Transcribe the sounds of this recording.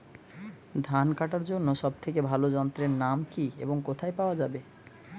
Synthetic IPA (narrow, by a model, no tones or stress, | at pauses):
d̪ʱankaʈaɾd͡ʑonːoʃɔb̚t̪ʰekebʱalod͡ʑɔnt̪ɾeɾnamkiḛboŋkot̪ʰaepaoad͡ʑabe